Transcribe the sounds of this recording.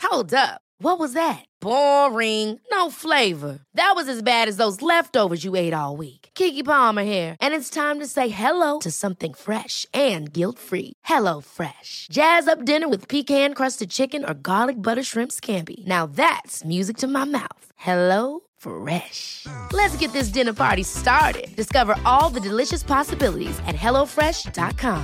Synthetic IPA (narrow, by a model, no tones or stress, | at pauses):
hoʊlˠdʌp̚wʌt̚wʌzðɨt̚b̥ɔɹɪ̃ŋnoʊfleɪvə˞ðɨt̚wʌzɨzbæɾɨzðoʊzlɛftoʊvə˞zjɨeɪɾɔlˠwikkʰikipɑmə˞hiɹʔɨ̃nɨtstʰãɪ̃mtɨseɪɦɛloʊɾɨsʌ̃mθɪ̃ŋfɹɛʃɨ̃nɡɪlˠtfɹḭhɛloʊfɹɛʃd̥ʒ̥æzʌp̚d̥ɪ̃nə˞wɨð̥pʰikhæ̃nkʰɹ̥ʌstɨd̚t͡ʃʰɪkɨ̃nə̰˞ɡɑlˠɨk̚b̥ʌɾə˞ʃɹɪ̃mpskʰæ̃mpḭnaʊðætsmjʉzɨk̚tʰɨmaɪma̰ʊθhɛloʊ | fɹɛʃlɨtsɡ̥ɛt̪̚ðɪs̬d̥ɪ̃nə˞pʰɑ̰ɹɾistɑɹɾɪ̰d̚d̥ɨskʌvə˞ʔʔɔlˠðɨdɨlɪʃɨspʰɑsɨbɪlˠə̰ɾḭzɨ̰t̚ɦɛlˠoʊfɹɛʃd̥ɑ̰t̚kʰɑ̃m